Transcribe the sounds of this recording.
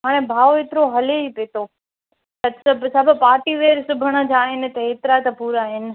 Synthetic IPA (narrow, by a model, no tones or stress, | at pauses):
ɦaːɽ̃ẽbʱaːoeːt̪ɪɾoɦɐleipeːt̪oː | t̪ɐsɐbʱsɐbʱʊ̆paːʈiʋeːɾsʊbʱəɽ̃ə̆d͡ʑaːɦɪnɪ̆t̪ɐɦeːt̪ɪɾat̪ɐpuːɾaːɦɪnɪ̆